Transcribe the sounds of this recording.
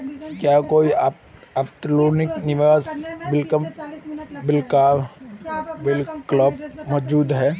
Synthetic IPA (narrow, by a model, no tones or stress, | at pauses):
kjaːkoːi | ɐpt̪loːnɪknɪʋaːsbɪlkə | bɪlkaː | bɪlkləb̚mɔd͡ʒuːd̪ɦɛː